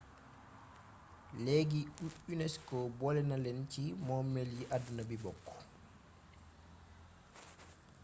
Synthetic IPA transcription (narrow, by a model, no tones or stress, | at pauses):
leɡiuunɛskɔbɔlɛnalɛnt͡ʃimɔmeljiʔadunabibɔkːɔ̥